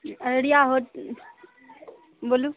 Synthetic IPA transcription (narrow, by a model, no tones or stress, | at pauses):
əɾɽiːaɦoːt̪̚ | boluː